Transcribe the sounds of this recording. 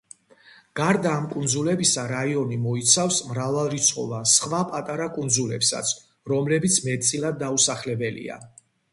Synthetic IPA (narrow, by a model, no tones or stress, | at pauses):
ɡ̥aɾd̪aːmkʼund̪zulɛbisaɾaiɔnimɔit̪sʰafsmɾavalˠɾit̪sʰχɔ̰vasχvapʼat̪ʼaɾakʼund̪zulɛpsa̰t̪sʰ | ɾɔmlɛbit̪sʰmɛt̪t̪sʼilˠad̪̚ːausaχlɛbɛlḭa̰